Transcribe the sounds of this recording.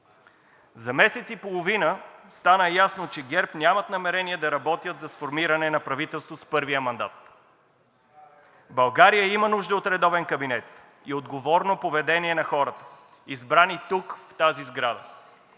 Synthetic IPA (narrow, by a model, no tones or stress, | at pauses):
zɐmɛsɛt̪sipolˠovinəst̪anəjasnot͡ʃɛɡʲɛɾpnʲamɐt̪nɐmɛɾɛniɛd̪ɐɾɐbɔt̪jət̪zɐsfoɾmiɾɐnɛnɐpɾɐvit̪ɛlˠst̪vospɤɾvijəmɐnd̪a̰t̪ | bɐlˠɡaɾijəimənuʒd̪ɐot̪ɾɛd̪ɔvɛnkɐbinɛt̪ | iod̪ɡovɔɾnopovɛd̪ɛniɛnɐxɔɾət̪ə̥ | izbɾanit̪ukft̪azizɡɾad̪ə̰